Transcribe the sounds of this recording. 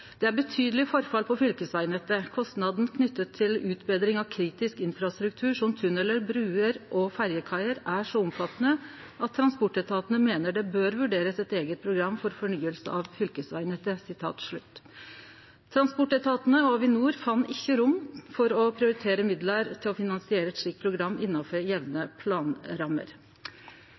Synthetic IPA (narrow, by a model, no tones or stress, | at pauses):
d̪̥ɛæɾbət̪ʰyːd̪əlɪfɔɾfɑlpʰɔfʏlkəsʋæɪnət̪əkʰɔst̪nɑd̪n̩kʰnʏt̪ːət̪ʰːɪlʉːt̪bed̪ɾɪŋɑʋkʰɾiːt̪ɪskɪnfɾɑst̪ɾʉk̚t̪ʰʉːʂɔmt̪ʰʉnɛləɾbɾʉːəɾʔɔfæɾjəkʰɑɪəɾæʂɔʊmfɑt̪ːənə | ʔɑt̪ʰːɾɑnspɔʈːɛt̪ʰɑːt̪nəmeːnəɖɛbøːɾʋʉɖeːɾəsɛt̪eːɡət̪̚pʰɾʊɡɾɑmːfɔɾfɔɳyːəlsəɑʋfʏlkəsʋæɪnət̪əsɪt̪ʰɑ̰ːt̪ʂɭʉ̰t̪ː | t̪ʰɾɑnspɔʈːɛt̪ʰɑːt̪ənəɔʋɪnuːɾfɑnːɪçːəɾʊmːfɔɾɔpʰɾɪʊɾɪt̪ʰeːɾəmɪd̪ləɾt̪ʰɪlɔfɪnɑnsɪeːɾəɛt̪ʂlɪk̪̚pʰɾʊɡɾɑmːɪnːɑfɔɾjɛʋnəpʰlɑːnɾɑmːə̰ɾ